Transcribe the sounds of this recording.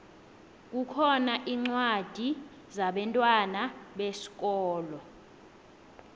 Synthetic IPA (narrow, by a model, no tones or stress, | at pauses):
k̬ʼukʰɔnaʔiŋ͡ǀwad̥ʱi | zaɓɛntʼwanaɓesi̥k̬ʼɔːlɔ